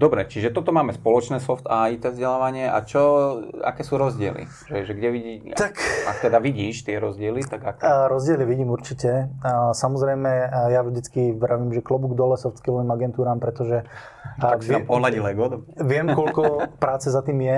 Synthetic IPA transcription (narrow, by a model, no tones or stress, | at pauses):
d̪ɔbɾɛt͡ʃiʒɛt̪ɔt̪ɔmaːmɛspɔlɔt͡ʃnɛːsɔft̪ait̪ɛːvzɟɛlaːʋaɲɪɛʔa̰t͡ʃɔa̰kɛːsuːɾɔzɟɪɛ̰lḭ | ʒɛʒɛɡɟɛʋiɟit̪aka̰kt̪ɛd̪aʋiɟiːʃt̪ɪɛɾɔzɟɪɛlit̪aɡakɾɔzɟɪɛliʋiɟiːmuɾt͡ʃicɛsamɔzɾɛjmɛjavʒd̪it͡skiʋɾaʋiːmʒɛklɔbuɡd̪ɔlɛsɔft̪kilɔimaɡɛnt̪uːɾaːmpɾɛt̪ɔʒɛ | pɔlaɟilɛɡɔd̪ʋɪɛmkɔlkɔpɾaːt͡sɛzat̪iːmjɛ